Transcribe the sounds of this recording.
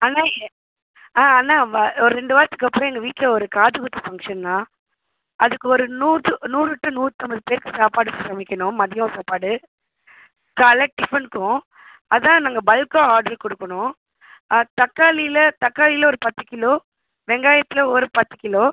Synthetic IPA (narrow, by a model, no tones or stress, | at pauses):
ɐːnːaːɛɛ | aːaːnːaːɔɾɯɾɛɳɖɯʋaːɾt̪ːɯkːɯɐpːɯɾɔ̃ɛŋɡɐʋiːʈlɐɔɾɯkaːðɯɣɯt̪ːɐfɐŋʂɐnːaː | ʔɐðɯkːɯɔɾɯnuːɯnuːrɯtːɯnuːɾɯt̪ːɔmbɐðɯpeːɾkːɯsaːpaːɽɯssɐmɪkʲːɐɳʊ̃mɐðɪjõsaːpaːɽɯ | kɐlɛʈ̚ɖɪfɐɳkʊ̃ | ɐðãːnaːŋɡɐbɐlkõːaːɾɖɐɾkɔɽɯkːɐɳʊ̃ | t̪ɐkːaːlilɐt̪ɐkːaːlɪlɐɔɾɯpɐt̪ːɯkɪloː | ʋɛŋɡaːjɐt̪ːɪlɐɔɾɯpɐt̪ːɯ̥kɪloː